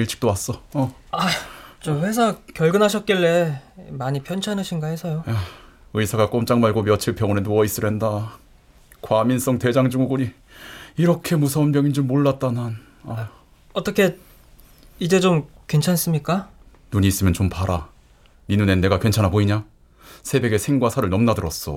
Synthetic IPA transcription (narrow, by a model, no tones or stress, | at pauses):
iɭt͡ɕ͈i̥k̚t͈owas͈ʌʌat͡ɕʌɸwe̞s̬ʰakjʌɭɡɯnɦaɕ̬ʰʌt̚k͈iɭːe̞maɲipʰjʌnt͡ɕʰanɯɕʰinɡaɦesʰʌjojaɯisʰaɡak͈omt͡ɕ͈aŋmaɭɡomjʌt͡ɕʰiɭpʰjʌŋʌnenoʌis͈ɯɾjɦenda | kwamins͈ʌŋte̞d͡ʑaŋd͡ʑuŋuɡuɲi | iɾʌkʰe̞musʰʌnbjʌŋind͡ʑomːoɭːat̚t͈anan | a | ʌt͈ʌkʰe̞ | id͡ʑe̞d͡ʑomkwent͡ɕʰans͈ɯmɲik͈a | nuɲiːs͈ɯmjʌnt͡ɕompaɾa | ninune̞nːe̞ɡakwe̞nt͡ɕʰanaboiɲa | sʰe̞be̞ɡe̞sʰe̞ŋɡwasʰaɾɯɭnʌmnadɯɾʌs͈ʌ̰